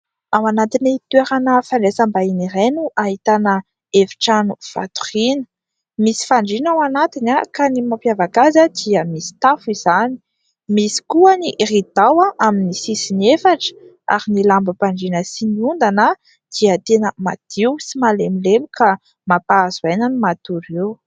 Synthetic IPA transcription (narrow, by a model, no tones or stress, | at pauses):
awanat̪init̪uweɾanəfaɳɖ͡ʐesambainirenuʔaɦit̪anə | evi̥ʈ͡ʂanuv̥a̰t̪u̥rinə̥ | misi̥faɳɖ͡ʐinawanat̪inakanimapjavakazad̪̥iəmisi̥t̪afiz̥ani̥ | misi̥kuəniʔrid̪awaʔaminisisinefaʈ͡ʂə̥ | a̰ɾinilambəpaɳɖ͡ʐinəsiniund̪anə | d̪̥iət̪enəma̰d̪̥iwsimalemilemuka | mapazuajnanumat̪uɾew